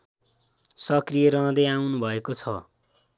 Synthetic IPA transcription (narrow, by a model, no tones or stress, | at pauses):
sʌkrijʌɾʌ̃d̪ʌjawnubʱʌekot͡sʰʌ